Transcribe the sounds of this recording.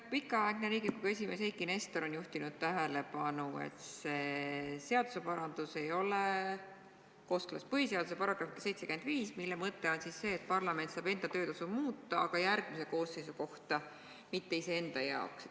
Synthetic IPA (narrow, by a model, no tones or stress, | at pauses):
pikːˑɑɑeɡ̥neɾiːɡikuɡ̥e̞s̬ʲime̞sijkˑːinest̪oɾo̞njuht̪inud̪̥̚t̪æɦele̞pɑnuḛt̪se̞seɑd̪̥u̥se̞pɑɾɑnd̪̥use̞jo̞le | ko̞ːsklɑ̰spɤɦiseɑd̪use̞pɑɾɑɡ̥ɾɑfkɑ̥se̞jt̪sekyend̪viːsmilːemɤt̪ːe̞o̞nsisːe̞ːt̪̚pɑrlɑme̞nt̪sɑːb̥e̞nd̪ɑt̪øːt̪ɑsumuːt̪ːˑɑɑɡ̥ɑjæɾɡ̥̚miseko̞ːsːe̞jsuko̞ht̪ɑ | mit̪ːe̞ise̞e̞nd̪̥ɑjɑ̰oks